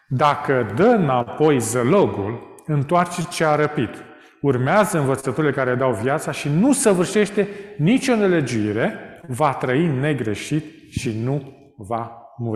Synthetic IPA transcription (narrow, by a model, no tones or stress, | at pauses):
d̪akəd̪ənapo̞jzəlo̞ɡul | ɨnt̪oart͡ʃe̞t͡ʃeaɾəpid̪̥ | urmeazəɨnvət̪sət̪uɾile̞kaɾeled̪awvjat̪saʃinusəvɨrʃe̞ʃt̪e̞nit͡ʃʲo̞ne̞le̞d͡ʒuiɾe̞vat̪ɾəine̞ɡɾe̞ʃit̪ | ʃinu | vamuɾ